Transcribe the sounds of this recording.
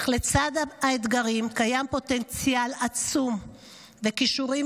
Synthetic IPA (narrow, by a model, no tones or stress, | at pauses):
χlet͡sad̪aaet̪ɡaʁimkajampo̞t̪ent͡sjalat͡sum | vekiʃuʁi